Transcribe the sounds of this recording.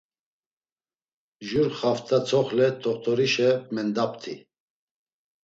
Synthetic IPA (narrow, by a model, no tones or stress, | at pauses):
ʒuɾχaft̪ʰʼat͡sʰɔχlɛt̪ʰɔχt̪ʰɔɾiʃɛmɛnd̪apt̪ʰḭ